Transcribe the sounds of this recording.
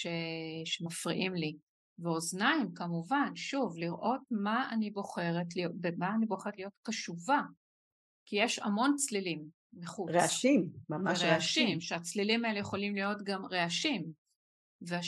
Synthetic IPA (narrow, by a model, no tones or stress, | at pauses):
ʃeʃemafʁiʔimli | veoznaimkamuvanʃuvliʁʔo̞t̚maanibo̞χe̞ʁetlijobemaːniboχeʁtlijo̞tkaʃuva | kijeʃa̰mo̞nt͡slilimː | eχut͡seʃimmamaʁeaʃimʃeat͡slilimaelejeχo̞limlijo̞tɡamʁeaʃim | vea